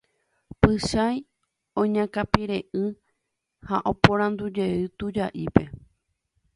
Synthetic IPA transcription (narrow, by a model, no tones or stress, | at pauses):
pɨʃaj | õɲãkapiɾe̞ʔɨ | haʔõpõɾãnd̪ud͡ʒe̞ɨt̪ud͡ʒaʔipe̞